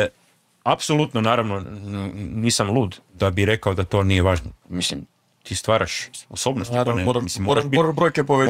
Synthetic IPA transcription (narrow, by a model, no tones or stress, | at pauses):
apso̞lˠut̪nonaːɾaʋno | niːsamlˠuːd̪d̪̥abiɾe̞kaod̪at̪o̞ːnijeʋaːʒnomisim | t̪iːst̪ʋaːɾʔaʃoso̞ːbnosmislimːoɾaʃbibɾojkepoʋe